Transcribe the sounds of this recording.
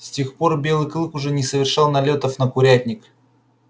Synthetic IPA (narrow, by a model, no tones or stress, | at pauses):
sʲtʲe̞xpo̞rbʲe̞lˠɨjklˠɨkʊʐɛnʲɪsəvʲɪrʂɑlˠnɐlʲot̪əfnəkʊɾʲætʲnʲɪk